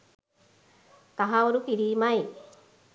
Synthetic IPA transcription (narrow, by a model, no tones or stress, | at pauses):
t̪aɦawuɾukiɾimaj